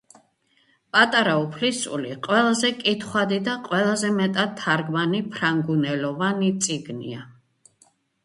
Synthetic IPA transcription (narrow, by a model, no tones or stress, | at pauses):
pʼat̪ʼaɾaupʰlisṵliqʼwɛlˠazɛkʼit̪ʰχwad̪id̪aqʼwɛlˠazɛmɛt̪ʼad̪t̪ʰːaɾɡmanipʰɾaŋɡunɛlɔvanit̪sʼiɡnḭa